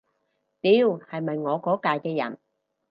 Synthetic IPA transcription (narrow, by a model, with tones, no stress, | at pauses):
t̪iː˨˧whɐ˨jmɐ˨˩jŋɔː˨˧kɔː˨˥kaː˨˧jkɛː˧jɐ̰˨˩n